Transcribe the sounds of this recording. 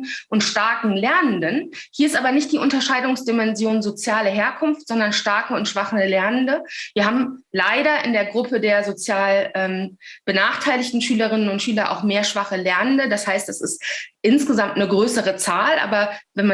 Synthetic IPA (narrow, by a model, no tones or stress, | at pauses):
ʔʊntʃtaɐkŋ̩lɛɐnəndənhiːɐɪstʔaːbɐnɪçt̚d̥iːʔʊntɐʃaɪdʊŋsd̥imɛnzjoːnzot͡sjaːlɐɦeːɐkʰʊnftz̥ɔndɐnʃtaɐkəʊntʃv̥aχəlɛɐnəndəviːɐɦaːbm̩laɪɾɐʔɪndeːɐɡʁʊpədeːɐzot͡sjaːlʔɛːmb̥ənaːχtʰaɪlɪçtn̩ʃyːləʁ̞ɪnənʊntʃyːlɐʔa̰ʊxmeːɐʃv̥aχəlɛɐnəndədashaɪstasɪstʔɪnsɡ̥əzamtnəɡʁøːsəʁət͡saːlʔa̰ːbɐvɛnma